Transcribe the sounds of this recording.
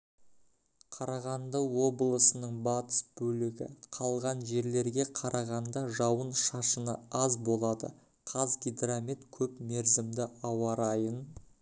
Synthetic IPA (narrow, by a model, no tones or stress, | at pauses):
qʰɑɾɑʁɑnd̪əwo̞blˠəsənəɴbɑt̪ə̥sbɵlɪɡʲɪ̰qʰɑlˠʁɑnʒe̞ɾle̞ɾɡʲe̞qʰɑɾʔɑʁɑnd̪ɑʒɑwənʃɑʃənə̰ɑzbo̞lˠɑd̪ə̰ | qʰɑzɡʲijd̪ramit̪kʲʰɵpme̞ɾzɪmd̪ɪɑwɑɾɑjən